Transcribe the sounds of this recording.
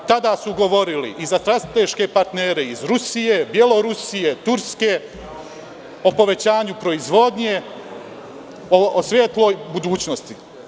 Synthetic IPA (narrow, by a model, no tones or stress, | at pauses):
t̪ad̪asuɡo̞ʋo̞ɾilḭʔizast̪ɾat̪eʃke̞paɾt̪neːɾe̞izɾusijebje̞lo̞ɾusije̞t̪uɾske̞ | o̞po̞ʋe̞t͡ɕaːɲupɾo̞izʋo̞d̪ɲe̞ | osʋʲjeːt̪lo̞ːjbud̪uːt͡ɕnost̪i